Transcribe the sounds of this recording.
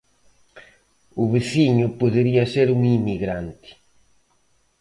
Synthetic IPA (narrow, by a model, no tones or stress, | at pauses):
ʊβesiɲʊpoðeɾiɐseɾuŋimiɣɾant̪ɪ̥